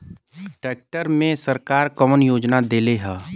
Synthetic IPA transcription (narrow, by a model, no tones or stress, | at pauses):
ʈeːk̚ʈəɾmẽsəɾkaːɾkɔmənjoːd͡ʒnad̪eːleɦɛː